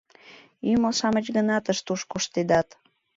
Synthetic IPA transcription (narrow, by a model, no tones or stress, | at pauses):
ymosɑmət͡ɕɣənɑt̪əʃt̪uʃkoʃt̪ed̪ɑt̪